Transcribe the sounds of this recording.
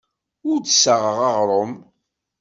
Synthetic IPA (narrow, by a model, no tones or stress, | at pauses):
ʊɾd̪səʁəʁɑʁɾˤom